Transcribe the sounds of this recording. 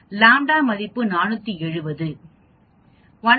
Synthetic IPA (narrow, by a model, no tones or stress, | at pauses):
laːɳɖaːmɐðɪpːɯnaːnɯt̪ːiɛɻɯʋɐðɯ | ʋɐn